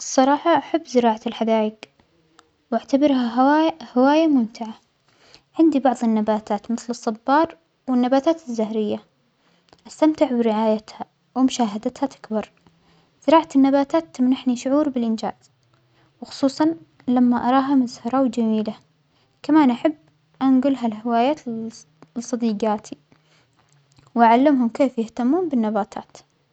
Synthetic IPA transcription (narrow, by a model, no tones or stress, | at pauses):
ɨsˤːɑɾˤɑːħɑʔaħabːzɪɾɑːʕalħad̪aːjɪɡ | waʕt̪abɪɾhahawaːjamʊmt̪ɪʕa | ʕɪnd̪ibɑʕðˤɪnːabaːt̪aːt̪mɪθlɨsˤːɑbːɑːɾˤ | wɪnːabaːt̪aːt̪ɪzːahɾɪjːa | ʔast̪amt̪ɪʕbɪɾɪʕaːjat̪ha | wɪmʊʃaːɦad̪at̪hat̪ɪ̥kbɑɾˤ | z̥ɪɾɑːʕat̪ɪnːabaːt̪aːt̪ːɪmnaħniʃʊʕuːɾbɪlʔɪnd͡ʒa̰ːz̥ | wxʊ̥sˤuːsˤɑn | lamːaʔɑɾˤɑːɦamʊzhɑɾˤawd͡ʒamiːla | kamaːnʔaħabː | ʔanɡʊlɦalhɪwaːjaːt̪ | sˤːɑd̪iːɡaːt̪ʰi | wʔaʕalːɪmɦʊmkeːfjɪht̪amːuːnbɪnːabaːt̪ʰa̰ːt̪